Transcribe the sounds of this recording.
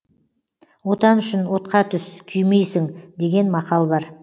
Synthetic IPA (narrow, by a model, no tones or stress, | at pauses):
wo̞t̪ɑnʏʃɪnwo̞t̪qɑt̪ʰʏskʲʰʏjmejsɪŋd̪e̞ɡʲe̞nmɑqɑlˠbɑɾ